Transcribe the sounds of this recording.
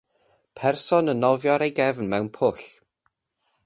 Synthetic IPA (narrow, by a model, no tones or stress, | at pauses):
pʰɛrsɔnənɔvjɔɾejɡɛvn̩mɛwnpʰʊɬ